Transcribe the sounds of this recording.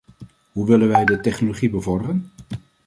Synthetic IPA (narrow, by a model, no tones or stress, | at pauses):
ɦuʋɪlənʋɛjdətɛχnoloχibəvɔɹdərən